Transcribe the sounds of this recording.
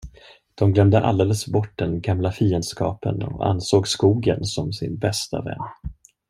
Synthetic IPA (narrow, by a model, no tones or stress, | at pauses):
d̪̥ɔmɡlœmd̪əʔald̪eːləsbɔʈ̚ːd̪ɛnɡamlafiːənd̪skɑ̰ːpə̰nɔ̰a̰nsoːɡskuːɡə̰nsɔmsɪnbɛst̪a̰vɛ̰nː